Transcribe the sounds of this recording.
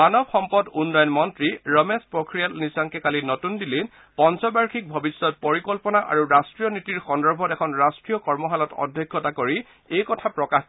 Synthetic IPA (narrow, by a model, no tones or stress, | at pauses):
manɔbxɔmpɔdunːɔjɔnmɔntɹiɹɔmespɹɔkɹijalnisaŋkɛkalinɔtundilin | pɔnsɔbaɹkʰik̚bʱɔbisːɔt̚poɹikɔlpɔnaʔa̰ɹuɹastɹijɔnitiɹxɔndɔɹbʱɔtɛkʰɔnɹastɹijɔkɔɹmɔɦalɔtɔ̰dʱːɔkʰːɔtakoɹi | ejkɔtʰapɹɔkax